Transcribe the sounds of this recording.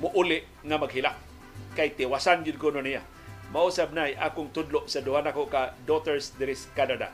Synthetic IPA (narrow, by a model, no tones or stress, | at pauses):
mʊʔulɪʔ | ŋamaɡɦɪlak̚ | kajt̪ɪwasanɡʊd̪̚kʊnʊnija̰ | mausab̚najʔa̰kʊŋt̪ʊdlʊʔsadʊɦanakoʔkadot̪ɛɹsd̪ɪɾɪskanada̰